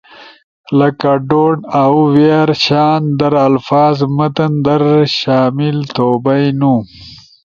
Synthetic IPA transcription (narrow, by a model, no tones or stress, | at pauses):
lɐkaɖoɳawweɾɕaːnd̪ɐɾalfɑːzmɐt̪ɐnd̪ɐɾʃaːmɪlt̪oːbajnu